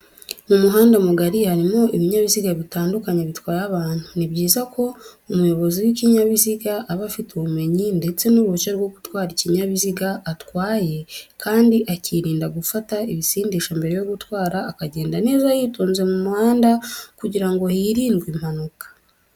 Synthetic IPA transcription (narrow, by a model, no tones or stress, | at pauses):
mumuɦaːndamuɡaɾihaɾimo̞iβiɲaβiziɡaβitaːndukaɲeβitwaːjaβaːn̥unibɟiːzako̞umujo̞βo̞ziwiciɲaβiziɡaʔːβafituβume̞ɲinde̞t͡se̞nuɾut͡ʃeɾɡwo̞ɡutwaːɾiciɲaβiziɡaatwaːje̞kʰaːndiʔaciɾiːndaɡufataiβisiːndiːʃambe̞ɾejo̞ɡutwaːɾaːkaɟe̞ːndane̞ːzajituːnze̞mumuhaːndakuɟiɾaŋɡo̞hiɾiːnɡwim̥hanukḁ